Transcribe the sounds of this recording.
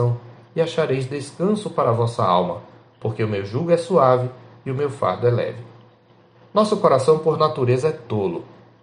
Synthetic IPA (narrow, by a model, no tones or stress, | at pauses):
ɐ̃w̃ɪaʃaɾejzd̪eskɐ̃sʊpaɾɐvɔsɐa̰wmɐ̰ | poɾkeʊmewʒuɡʊɛsuavɪiʊmewfa̰ɾd̪ʊɛlɛ̰vɪ | nɔsʊkoɾasɐ̃w̃poɾnat̪uɾezɐɛt̪olʊ̰